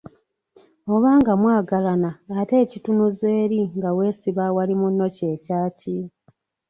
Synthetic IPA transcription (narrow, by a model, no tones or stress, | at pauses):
o̞βaːŋɡamwaːɡalanaːte̞ːcitunuze̞ːɾiŋɡawe̞ːsiβawalimunːo̞ce̞ːcaːci